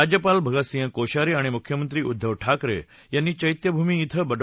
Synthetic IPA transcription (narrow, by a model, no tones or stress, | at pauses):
ad͡ʑjəpalbʱəɡəsĩə̃koʃaɾiaɽ̃emukʰjəmənt̪ɾiud̪ʱːəʋʈʰakɾḛ | janːit͡ɕəjt̪jəbʱumiːt̪ʰəbəɖ